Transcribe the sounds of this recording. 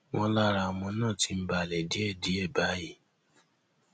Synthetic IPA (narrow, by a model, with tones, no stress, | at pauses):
wɔ̃˧˦la˦ɾa˧o˨mɔ̃˧˦nãː˦˨ti˧˦m̩˦ba˧˨lɛ˨di˨˦ɛ˦˨di˨˦ɛ˦˨ba˨˦ji˦˨